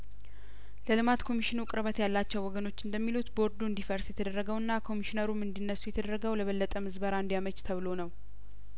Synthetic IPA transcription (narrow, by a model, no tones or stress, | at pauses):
ləlɨmat̪kʰo̞miʃɪnukʼɾəβət̪jalːat͡ʃːɛwːɔɡəno̞t͡ʃːɨnd̪əmːilut̪bo̞ɾd̪uɨnd̪ifəɾsjɛt̪ʰəd̪ərːəɡəwɨnːakʰo̞miʃinəɾumɨnd̪inːəsːujɛt̪ʰəd̪əɾːəɡəwləβəlːət̪ʼəmɨzbəɾaɨnd̪ijamət͡ʃt̪ʰəβɨlo̞nəw